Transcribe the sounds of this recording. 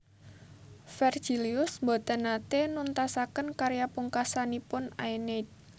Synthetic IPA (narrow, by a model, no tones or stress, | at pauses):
fɛr̥ʒ̥iliʊsbot̪ənat̪enunt̪asakənkaɾjapuŋkasanipʊna̰jnet̪̚